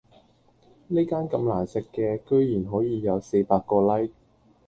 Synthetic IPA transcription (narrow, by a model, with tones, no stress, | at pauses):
ne˥jkaː˥nkɐ˧mlaː˨˩nsɪ˨kːɛː˧kɵ˥ɥjiː˨˩nɦɔː˨˥jiː˨˧jɐ˨˧wse˧jpaː˧kːɔː˧lɐ˥j